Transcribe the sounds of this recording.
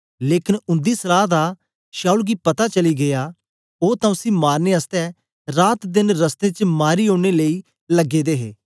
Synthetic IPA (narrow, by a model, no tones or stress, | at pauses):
leːkɪnʊ̃nd̪iːsəlaːd̪aː | ʃaːuːlɡiːpət̪aːt͡ʃəliːɡɪjaː | oːt̪ãːʊsĩːmaːɾneːəst̪ɛː | ɾaːt̪d̪ɪnɾəst̪ẽːt͡ʃmaːɾiːõːɽ̃eːləiː | ləɡeːd̪eːɦḛː